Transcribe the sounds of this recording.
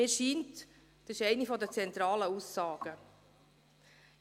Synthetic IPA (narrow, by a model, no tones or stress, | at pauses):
ɪːɾʃiːnt | d̥əsɪʃɛɪnifɔdət͡sɛnt̪ɾɑːləusːɑːɡ̥ə